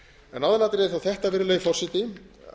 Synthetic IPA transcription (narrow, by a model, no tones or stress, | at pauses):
ɛnawðanat̪ɾɛɛɾθawθɛht̪avɪɾlœːɣifɔr̥sɪt̪ɪ